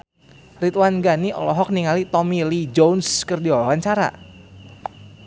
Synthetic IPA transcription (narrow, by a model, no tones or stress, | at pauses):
rit̪wanɡaniɔ̰lɔɦɔk̚niŋalit̪ɔmilid͡ʒonskɨrdiɔlɔwaɲt͡ʃaɾa̰